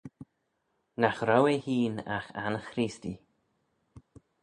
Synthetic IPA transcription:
naxɾawehiːna̰xanxɾisti

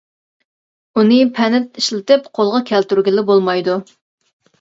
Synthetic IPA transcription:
unɨpʰɛnɛt̪iʃlɪt̪ɪpqʰolˠʁɑkʲʰælt̪yɾɡʲɪlɪbolˠmɑjd̪u

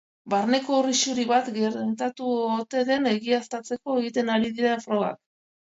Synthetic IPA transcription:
baɾne̞ko̞riʃuɾiβat̪ɡeɾt̪at̪uot̪e̞ðe̞ne̞ɣiast̪at͡se̞ko̞e̞ɣit̪e̞naɾiðiɾafɾo̞ɣa̰k̚

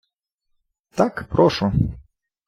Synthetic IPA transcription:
t̪akpɾɔʃu

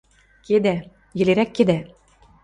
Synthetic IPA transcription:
ked̪æ | jɘ̆leɾækːed̪æ

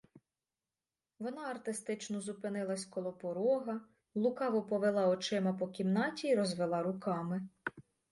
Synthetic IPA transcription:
ʋɔnɑɐrt̪ɪst̪ɪt͡ʃnɔzupɪnɪlˠɐsʲkɔlˠɔpɔɾɔɦɐ | lˠʊkɑʋɔpɔʋelˠɑɔt͡ʃɪmɐpɔkʲimnɑtʲiːɾɔzʋelˠɑɾʊkɑmɪ

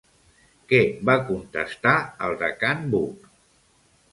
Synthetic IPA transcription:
kɛbakunt̪əst̪aəlˠd̪əkanbuk

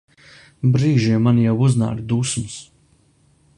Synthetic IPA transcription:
bɾiːʒiɛmːanjawuzna̰ːɾd̪usms

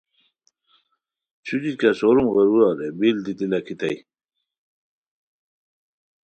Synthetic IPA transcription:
t͡ɕʰud͡ʑikasoɾumɣəɾuɾɑɾebild̪it̪ilakʰit̪aj

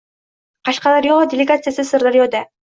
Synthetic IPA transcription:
qɑʃqɑlˠɑɾjolˠod̪ʲɪlʲɪɡat̪sɨjasɨsɨɾd̪aɾjod̪a

